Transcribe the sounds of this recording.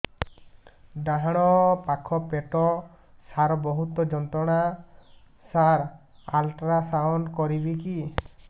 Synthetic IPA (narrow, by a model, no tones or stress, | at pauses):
ɖaɦaɽ̃ɔpakʰɔpeʈɔ | saɾɔbɔɦut̪ɔd͡ʒɔnt̪ɾɔɽ̃a | saɾ | alʈɾasawnkɔɾibiki